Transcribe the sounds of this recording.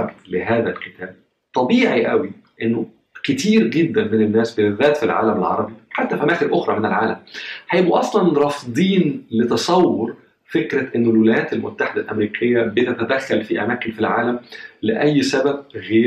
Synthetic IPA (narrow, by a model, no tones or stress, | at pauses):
ɡ̪leɦæːðælket̪ʰæːb | t̪ˤɑbiːʕiʔæwiʔenːʊ | ket̪iːɾɡed̪ːænmɪnenːæːsbɪðːæːt̪filʕa̰ːlæmelʕɑ̰ɾˤɑbiħat̪ːæfʔæmæːxeɾʔoxɾˤɑmenelʕaːlæmħæjebuʔɑsˤlɑnɾˤɑfd̪ˤiːnlet̪ɑsˤɑwːoɾ | fekɾæʔenːolwelæjæːt̪elmʊ̰t̪ːaħed̪ælʔæ̰mɾiːkʰejːæbet̪æt̪æd̪æxːælfiʔæ̰mæːkenfilʕaːlæmlɪʔæjːsæbæb̚ɣeː